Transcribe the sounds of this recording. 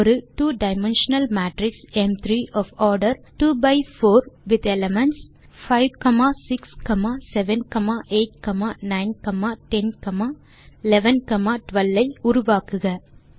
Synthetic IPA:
ɔɾɯʈuːɖɐɪmɛ̃nʃɐnɐlmæːʈɾɪksɛmt̪ʰɾiːʔɔːfɔːɾɖɐɾʈuːbɐɪfoːɾʋɪd̪ɛlɛmɛnʈs | faɪʋkɐmaːsɪkskɐmaːsɛʋɛnkɐmaːʔeːʈ̚kɐmaːnɐɪnkɐmaːʈɛnkɐmaː | ɪlɛʋɛnkɐmaːʈʋɐlːɐɪʊɾʊʋaːkɯɣɐ

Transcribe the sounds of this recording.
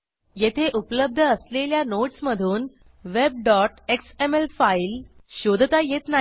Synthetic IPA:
jet̪ʰeʔupələb̚d̪ʱəːsleljanoʈsməd̪ʱuːn | ʋeb̚ɖɔʈeksemelfailɕod̪ʱət̪ajet̪na

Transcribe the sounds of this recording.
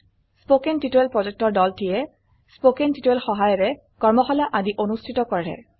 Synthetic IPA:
spokentitoɛlpɹɔzek̚tɔɹdɔltijɛ | spokentitoɛlxɔɦajɔɹɛ | kɔɹmɔxɔlaʔadiʔonustʰitɔkɔɹɛ̰

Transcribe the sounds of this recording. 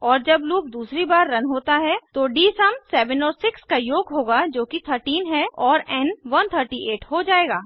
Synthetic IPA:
ɔːɾd͡ʒɐbluːp̚d̪uːsɾibaːɾːɐnɦoːt̪aɦɛt̪oɖiːsɐmsɛːʋɛnɔːɾsɪkskajoːɡɦoːɡad͡ʒoːkit̪ʰəɾʈiːnɦɛɔːɾɛnʋɐnt̪ʰəɾʈiʔeːʈɦod͡ʒaːeːɡaː

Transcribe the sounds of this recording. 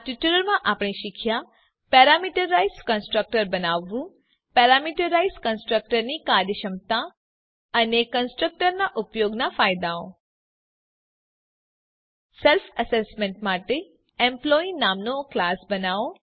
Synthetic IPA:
ʈiʈuləɾmãʔapɽ̃iʃɪkʰja | pɛɾamiʈəɾːaizkə̃nsʈɾək̚ʈəɾbənaʋːũ | pɛɾamiʈəɾaizkənsʈɾək̚ʈəɾnikad̪jəʃəmt̪a | ənekənsʈɾək̚ʈəɾnaʔʊpjoɡnafaːjd̪aõ̰ | selfəsesmẽɳʈmaʈe | ẽmplɔinaːmnõklaːsbənaõ

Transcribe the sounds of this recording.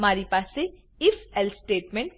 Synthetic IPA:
maːɾipaːsːe | ɪfɛlsʈeːʈmẽɳʈ̚

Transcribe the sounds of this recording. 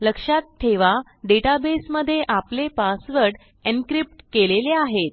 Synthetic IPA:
ləkʂat̪ʰːeʋa | ɖeʈabesməd̪ʱːjeʔaplepasʋəɾɖ | enkɾip̚ʈkeleleaɦet̪̚

